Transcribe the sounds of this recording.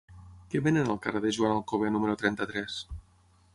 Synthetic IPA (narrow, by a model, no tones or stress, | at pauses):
keβenənəlˠkareðeʒuanəlˠkoβenuməɾut̪ɾɛnt̪ət̪ɾɛs